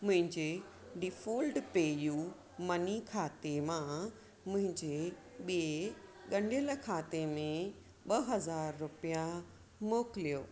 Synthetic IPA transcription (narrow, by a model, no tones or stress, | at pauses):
mʊ̃ɦɪ̃ɲd͡ʑe | ɖɪfoːlɖpeːju | mɐnikʰaːt̪emã | mʊ̃ɦɪ̃ɲd͡ʑe | ɓieɠɐ̃ɳɖjəlkʰaːt̪emẽ | ɓɐɦɐzaːɾːʊpija | moːkɪlijoː